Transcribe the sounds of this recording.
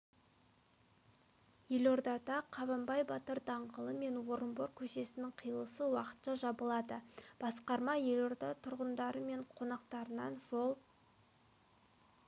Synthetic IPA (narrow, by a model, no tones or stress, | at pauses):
je̞lo̞ɾd̪ɑd̪ɑqʰɑβɑmbɑjbɑt̪əɾd̪ɑɴʁəlˠəme̞nwo̞ɾəmboɾkʲʰɵʃe̞sɪnɪŋqʰijlˠəsəwɑqə̥t̪ʃɑʒɑbəlˠɑd̪əb̥ɑsqɑɾmɑje̞lo̞ɾd̪ɑt̪ʰʊɾʁənd̪ɑɾəme̞ɴqʰo̞nɑqt̪ɑɾənɑnʒolˠ